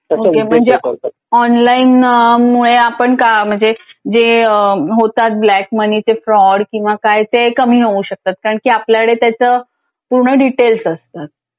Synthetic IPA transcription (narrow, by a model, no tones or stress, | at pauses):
ɦokem̤əɳd͡ze | ɔnlainəmuɭeapəɳkam̤əɳd͡zed͡zeəɦot̪at̪̚blækmənit͡sefɾɔɽkĩw̃ʋakajt̪ekəmiːɦeuɕək̚t̪at̪̚kaɾəɳkiːapljakəɽet̪jat͡səː | puɾɳəɖiʈelsəst̪at̪̚